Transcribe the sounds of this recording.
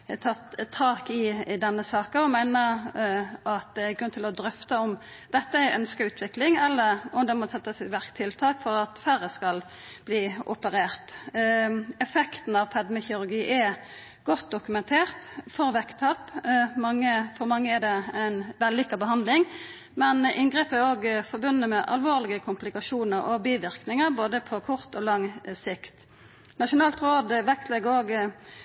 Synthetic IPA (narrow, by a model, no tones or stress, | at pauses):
t̪ʰɑt̪ʰːɑːkɪd̪ɛnːəsɑːkəɔmæɪnə | ʔɑt̪̚d̪ɛæɡɾʉnːt̪ʰɪlɔd̪ɾœft̪əɔm | d̪̥ɛt̪ːəæʔœnskɑʉːt̪ʰʋɪklɪŋɛlːəɾɔmd̪ɛmɔsɛt̪ːəsɪʋæɾkt̪ʰːɪlt̪ʰɑːkfɔɾɑt̪fæɾəskɑl | b̥liːʔʊpəɾeːʁt̪ | ɛfɛkt̪n̩ɑʋpʰɛd̪mɛçəʊɾɡiːʔɛ | ɡ̥ɔt̪̚d̪ʊkʉmɛnt̪ʰeːʁt̪fɔɾʋɛkt̪ʰɑpmɑŋːəfɔɾmɑŋːəɛd̪ɛæɪnʋɛlːʏkːɑbəɦɑnd̪lɪŋ | mɛnʔɪnɡʁeːpæɾoːɡfɔɾbʉnːəmɛʔɑlʋoːʁlɪɡəkʰʊmplɪkɑʃuːnəɾɔ̰biːʋɪʁknɪŋəɾboːd̪əpʰɔkʰʊʁt̪ɔːlɑŋːsɪkt̪ | nɑʂʊnɑːlt̪ɾoːd̪ʋɛkt̪lɛɡəoːɡ